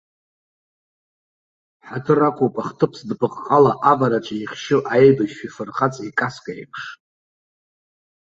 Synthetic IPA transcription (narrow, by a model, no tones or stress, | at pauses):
ħatʰɨrakʷʰʼupʼaχtʰɨpʰsdpʰɨqʼqʼalaʔavaɾat͡ʃʷʰʼaiχʲʃɪʔaejbaʃifɨrχat͡sʼekʼaskʼaḭpʰʂ